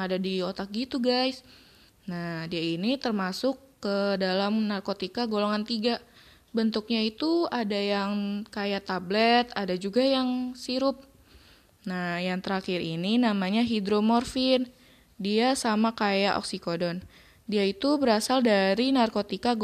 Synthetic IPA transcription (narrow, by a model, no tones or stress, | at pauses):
adadiot̪ak̚ɡit̪uɡajs | nahdiainit̪ərmasʊkːədalamnarkot̪ikaɡoloŋant̪iɡa | bənt̪ʊk̚ɲait̪uadajaŋkajat̪ablɛt̪adad͡ʒuɡajaŋsiɾʊp̚ | najaŋt̪əɾakɪɾininamaɲaɦidɾomɔrfɪn | diasamakajaʔɔ̰ksikodɔn | diait̪ubəɾasaldaɾinarkot̪ika